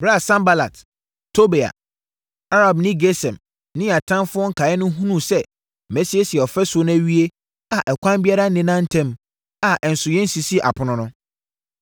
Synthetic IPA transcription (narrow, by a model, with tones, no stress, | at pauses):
bɾa˦˨sã˦mba˦la̰˨t | tʰːo˦be˨a̰˨ | a˦ɾa˨bnɪ̃˦ɡe˦sɛ̃˨m | nɪ̃˦˨a˨tʰã˦nfʊ˦ɔ̃˦ŋ̩˦kʰa˨ɛ˦nʊ̃˦ɦũ˦nũ˦˨sɛ˦ | mɛ˦si˦e˦si˨ɛ˨ɔ˨fɛ˦sʊ˨o˦ñ˦æ˦ɥi˦e˦ | a˨ʔɛ˨kʷʰã˦mbi˦a˦ɾa˦nɪ̃˦nã˦n̩˦tʰɛ̃˦˨m | a˨ʔɛ˨n̩˨sʊ˨jɛ̃˦n̩˦si˨si˦˨ʔa̰˨pʰʊ˨nʊ̃˦nʊ̃˦